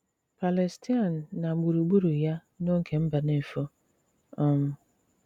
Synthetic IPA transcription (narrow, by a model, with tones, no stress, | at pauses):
pʰa˨lɛ˨stʰi˦a˨nː˨ã˨ɡ͡bu˨ɾu˨ɡ͡bu˦ɾu˨ja˦nõ˦ŋ̩˦kʰe˨m̩˦ba˨nɪ̃˦˨fo˦ | ɔ˨m˨